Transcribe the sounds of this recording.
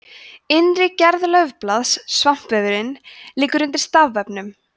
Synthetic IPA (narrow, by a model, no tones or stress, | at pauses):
ɪnrɪcɛɾðlœɥvplaðsːvam̥pvɛvɪɾɪnliːkʏɾʏnt̪ɪɾ̥st̪avːɛpnʏm